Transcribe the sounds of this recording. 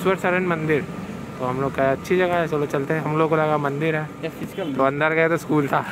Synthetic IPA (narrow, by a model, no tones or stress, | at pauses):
swəɾsɐɾə̃ɳɖmɐ̃nd̪ɪɾ | t̪oɦɐmloːɡ̚kaɐtːʃʰid͡ʒɐɡaɦɛsolot͡ʃɐlt̪eɦɛ̃ɦɐmloːɡ̚kolɐɡamɐ̃nd̪ɪɾɦɛːt̪oɐ̃nd̪əɾɡɐjat̪oskuːlt̪ʰaː